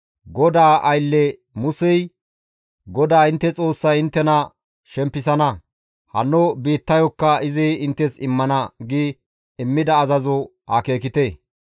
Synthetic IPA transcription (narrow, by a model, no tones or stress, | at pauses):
ɡɔd̪aːʔɐjlːɛ | mʊsɛj | ɡɔd̪aːɪnt̪ːɛt͡sʼo̞ːsːɐjɪnt̪ːɛnɐ | ʃɛmpːɪs̬ɐnɐ | hɐ̰nːɔbiːt̪ːɐjɔkːɐɪzɪɪnt̪ːɛsɪmːɐnɐɡi | ɪmːɪd̪ɐːzɐzɔ | hɐke̞ːkɪt̪e